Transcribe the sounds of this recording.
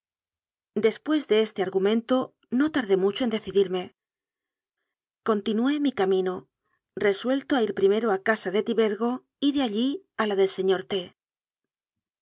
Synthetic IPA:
d̪e̞spwe̞zðe̞est̪e̞aɾɣumẽ̞nt̪o | no̞t̪aɾðe̞mut͡ʃoe̞nd̪e̞θiðiɾme̞ | ko̞nt̪inue̞mikamĩno | re̞swe̞lt̪oaiɾpɾime̞ɾoakasaðe̞t̪iβe̞ɾɣo̞ | iðeaʎialaðe̞lse̞ɲo̞ɾt̪e̞

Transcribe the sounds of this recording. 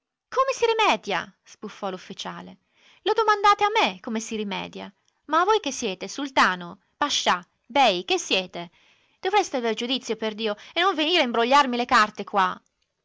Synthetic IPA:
komesiɾimɛːd̪ja̰spufːɔlufːit͡ʃa̰ːle | lod̪omand̪aːt̪eamːekomesiɾimɛ̰ːd̪ja̰ | maːvːojk̟esːjɛːt̪esult̪aːno | paʃːa | bɛjkesːjɛːt̪e | d̪̥ovɾest̪eaveɾed͡ʒud̪it̪sːjoperd̪iːoenːoɱveniːɾeaimbɾoʎːarmilekart̪ekwa

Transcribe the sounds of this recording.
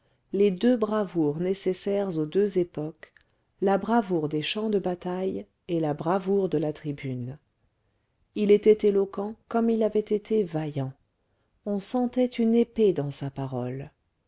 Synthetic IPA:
led̪øbʁavuʁnesesɛʁzod̪øzepɔk | labʁavuʁd̪eʃɑ̃d̪əbat̪aj | elabʁavuʁd̪əlat̪χibyn | ilet̪ɛt̪elɔkɑ̃kɔmilavɛt̪et̪ʰevajɑ̃ | ɔ̃sɑ̃t̪ɛt̪yneped̪ɑ̃sapaʁɔl

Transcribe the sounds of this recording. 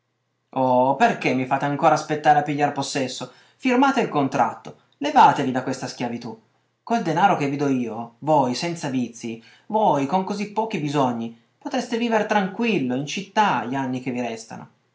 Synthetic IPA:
operkemːifaːt̪eaŋkoːɾaːspet̪ːaːɾeapːiʎːarposːesːo | firmaːt̪eilkont̪ɾa̰t̪ːo | levaːt̪evid̪akwest̪ask̟javit̪u | kold̪enaːɾokevːiːd̪ɔiːovojsɛnt̪savit̪si | vojkoŋkozipːɔːk̟ibizoɲːi | pot̪ɾest̪eviːveɾt̪ɾaŋkwilːoint͡ʃit̪ːaʎianːik̟evːiɾɛst̪a̰no̰

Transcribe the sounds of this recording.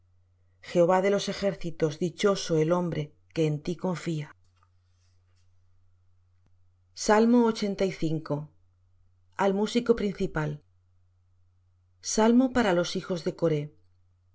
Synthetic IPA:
xe̞o̞βaðe̞lo̞se̞xe̞ɾθit̪o̞zðit͡ʃo̞soelo̞mbɾe̞ | ke̞ːnt̪iko̞ɱfia | salmo̞ːt͡ʃe̞nt̪aiθiŋko̞ | almusiko̞pɾin̟θipal | salmo̞paɾalo̞sixo̞zðe̞ko̞ɾe̞

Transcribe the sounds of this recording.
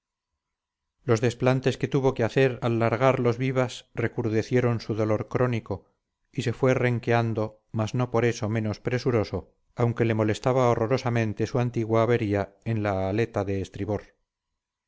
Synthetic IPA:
lo̞zðe̞splant̪e̞ske̞t̪uβo̞keaθe̞ɾalːaɾɣaɾlo̞zβiβasre̞kuɾðe̞θje̞ɾo̞nsuðo̞lo̞ɾkɾo̞niko̞ | ise̞fwe̞re̞ŋkeand̪o̞ | mazno̞po̞ɾe̞somẽ̞nospɾe̞suɾo̞so̞ | awŋke̞le̞mo̞le̞st̪aβaoro̞ɾo̞samẽ̞nt̪e̞suant̪iɣwaːβe̞ɾiae̞nlaːle̞t̪aðeːst̪ɾiβo̞ɾ

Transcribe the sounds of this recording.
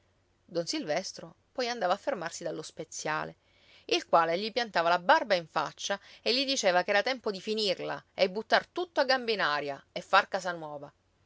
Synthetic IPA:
d̪onsilvɛst̪ɾo | pɔjand̪aːvaːfːermarsid̪alːospet̪sːja̰ːle | ilkwaːleʎːipjant̪aːvalabarbaiɱfa̰t͡ʃːaeʎːid̪it͡ʃeːvakeɛːɾat̪ɛmpod̪ifinirla̰ebːut̪ːart̪ut̪ːoaɡːambinaːɾjaefːarkaːsanwɔːva

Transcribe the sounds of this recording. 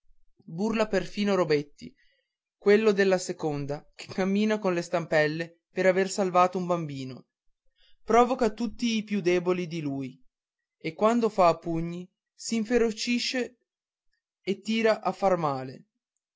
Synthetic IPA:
burlaperfiːnoɾobet̪ːḭ | kwelːod̪elːasekond̪akʰe̥kːamːiːnakonlest̪ampɛlːe | peɾaversalvaːt̪oumbambiːno | pɾɔːvokat̪ut̪ːiːpjud̪ɛːbolid̪iluːj | ekːwand̪ofaːpːuɲːi | siːɱfeɾot͡ʃiʃːe | t̪ːiːɾaʔafːarmaːle

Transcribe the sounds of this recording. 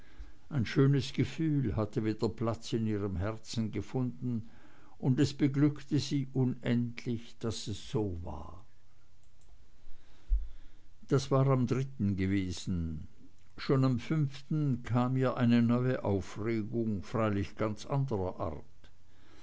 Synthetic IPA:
ʔaɪnʃøːnəsɡ̥əfyːlhatʰəveːd̥ɐpl̥at͡sɪniːʁəmɦɛɐt͡sn̩ɡəfʊndn̩ | ʔʊndɛsb̥əɡlʏktəziːʔʊnʔɛntʰlɪçd̥asɛsz̥oːva̰ː | d̥asv̥aːʁamdʁɪtn̩ɡəveːz̥n̩ | ʃoːnamfʏnftn̩kʰaːmiːɐʔaɪnənɔʏəʔaʊfʁeːɡʊŋfʁ̥aɪlɪçɡ̥ant͡sʔa̰ndəʁɐʔa̰ʁt

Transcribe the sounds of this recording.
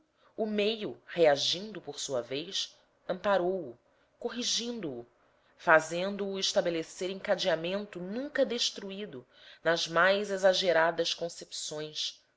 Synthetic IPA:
ʊmejʊheaʒĩnd̪ʊpoɾsuɐvejs | ɐ̃mpaɾowʊ | koɦiʒĩnd̪ʊː | fazẽnd̪ʊːeʃt̪abeleseɾẽŋkad͡ʒiamẽnt̪ʊnũŋkɐd̪eʃt̪ɾuid̪ʊ | nɐzmajzezaʒeɾad̪ɐskõsepsõj̃s

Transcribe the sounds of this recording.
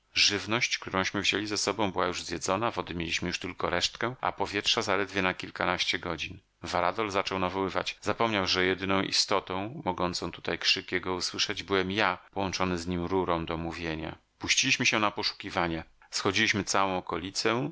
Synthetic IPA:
ʐɘvnɔɕt͡ɕkt̪uɾɔ̃w̃ɕmɘvʑelʲizɛsɔbɔ̃w̃bɘwajuʐzʲjɛd̪zɔnavɔd̪ɘmʲjelʲiɕmɘjuʂt̪ɘlkɔɾɛʂt̪kɛ̃ʔa̰pɔvʲjɛtʂazalɛd̪vʲjɛnakʲilkanaɕt͡ɕɛɡɔd͡ʑin | vaɾad̪ɔlzat͡ʂɔwnavɔwɘva̰t͡ɕzapɔmɲawʐɛjɛd̪ɘnɔ̃w̃ʔḭst̪ɔt̪ɔ̃w̃mɔɡɔnt̪sɔ̃w̃t̪u̥t̪ajkʂɘkʲjɛɡɔuswɘʂɛd͡ʑbɘwɛmjapɔwɔnt͡ʂɔnɘzɲimɾuɾɔ̃w̃d̪ɔmuvʲjeɲa̰ | puɕt͡ɕilʲiɕmɘɕɛnapɔʂu̥kʲivaɲɛ | sxɔd͡ʑilʲiɕmɘt̪sawɔ̃w̃ɔkɔlʲit̪sɛ

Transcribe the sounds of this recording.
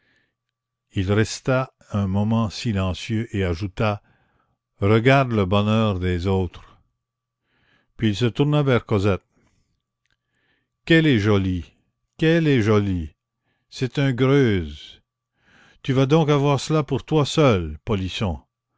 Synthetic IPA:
ilʁɛst̪a | ɛ̃mɔmɑ̃silɑ̃sjøʔeaʒut̪a | ʁəɡaʁd̪ləbɔnœːʁd̪ezoːt̪ʁ | pɥiːlsət̪uʁnavɛʁkozɛt̪̚ | kɛlɛʒɔli | kɛlɛʒɔli | sɛt̪ɛ̃ɡɾøːz | t̪yvad̪ɔ̃ːkavwaːʁsəlapuʁt̪wasœlpɔlisɔ̃

